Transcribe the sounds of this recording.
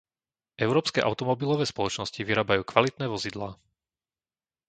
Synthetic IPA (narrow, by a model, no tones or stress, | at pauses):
ʔɛʊɾɔːpskɛʔa̰ʊt̪ɔmɔbilɔʋɛːspɔlɔt͡ʃnɔsciʋiɾaːbajuːkʋalit̪nɛːʋɔzid̪laː